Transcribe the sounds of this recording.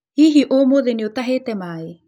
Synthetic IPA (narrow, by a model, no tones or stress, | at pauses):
hiːɦiʔomoðeniot̪aɦeːtɛmaːe